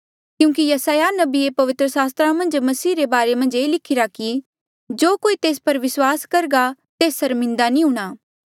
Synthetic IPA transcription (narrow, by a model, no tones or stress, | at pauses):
kjũːk̬ijɐsaːjanɐbiepɐʋɪt̪ɾəsaːs̬t̪ɾamɐ̃nd͡ʒmɐsiːɾebaːɾemɐ̃nd͡ʒeːlɪkʰɪɾaki | d͡ʒoːkoːit̪eːspɐɾʋɪswaːskɐɾɡat̪eːsːɐɾmɪ̃nd̪anĩɦũːɽ̃aː